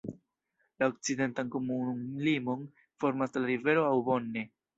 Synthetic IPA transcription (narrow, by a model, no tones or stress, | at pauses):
laok̚t͡side̞ntanko̞mulimo̞n | fo̞ɾmaslaɾive̞ɾo̞awbonːe̞